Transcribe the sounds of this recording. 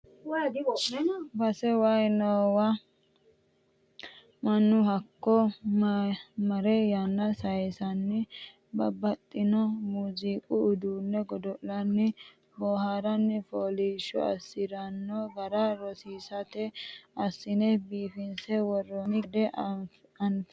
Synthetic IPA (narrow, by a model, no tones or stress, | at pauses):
w | bɐsɛwɐjnɔwɐ | mɐnːʊhɐkːɔ | mɐɾɛjɐnːɐsɐjsɐnːɪ | bɐbɐt̪ʼːɪnɔmuziːkʼʊʊd̪uːnːɛɡɔd̪ɔʔlɐnːɪ | bɔːhaɾɐnːɪfoːliːʃːɔ̰ɐ̰sːɪɾɐnːɔɡɐɾaɾɔsiːsɐt̪ɛɐsːɪnɛbiːfɪnsɛwɔrːɔnɪd̪ɛ | ɐnf